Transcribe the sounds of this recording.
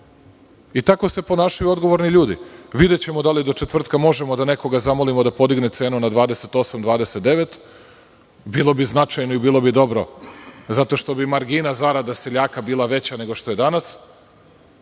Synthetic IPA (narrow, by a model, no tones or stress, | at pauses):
it̪ako̞se̞po̞naːʃajuo̞d̪ɡo̞ʋo̞ɾniʎuːd̪ḭʋid̪et͡ɕe̞mod̪alid̪o̞t͡ʃet̪ʋr̩t̪kamo̞ʒemo̞d̪ane̞ko̞ɡazamo̞limod̪apo̞d̪iɡnet̪se̞ːnunad̪ʋaːd̪eset̪o̞samd̪ʋaːd̪e̞set̪d̪eʋet̪ | bilˠo̞biznat͡ʃajnoibiːlˠo̞bid̪o̞bɾo̞zat̪o̞ʃt̪o̞bimaɾɡinazaɾad̪aseʎaːkabiːlˠaʋe̞t͡ɕane̞ɡo̞ʃt̪o̞je̞d̪anas